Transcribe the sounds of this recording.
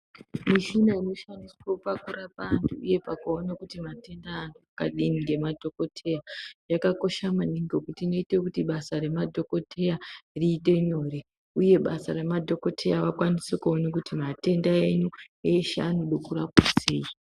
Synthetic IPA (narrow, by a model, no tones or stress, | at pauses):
miʃinaino̞ʃandiswopakurapaːntʰuuje̞pakuonakutimate̞ndaːnuakaɗiniŋɡe̞madʱo̞ko̞tʰe̞jajakako̞ʃamaniŋɡo̞kutino̞ite̞kutiɓasaɾe̞madʱo̞ko̞tʰe̞jariːte̞ɲo̞ːre̞ | uje̞ɓasare̞madʱo̞ko̞tʰe̞jaʋakwanisekuo̞nakutimate̞ndae̞ɲueʃaːnuɗokurakwase̞ːi